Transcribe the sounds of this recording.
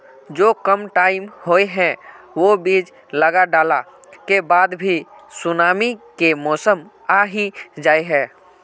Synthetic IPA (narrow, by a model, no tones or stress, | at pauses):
d͡ʒoːkəmʈaːɪmhoːeɦɛ̃ | ʋobiːd͡ʒ | ləɡaɖaːla | kebaːd̪bʱisʊnaːmikemɔːsəm | aɦĩd͡ʒaːeɦɛː